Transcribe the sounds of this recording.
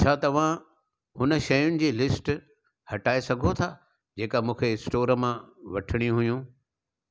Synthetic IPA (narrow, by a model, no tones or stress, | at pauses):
t͡ɕʰaːt̪ɐʋ̤ã | hʊnə̆ʃɐjʊnɪ̆d͡ʑiːlɪsʈ | hɐʈaːesɐɡʱot̪ʰa | d͡ʑeːkamũːkʰeɪsʈoːɾəmãʋɐʈʰɪɽ̃iũɦʊjũː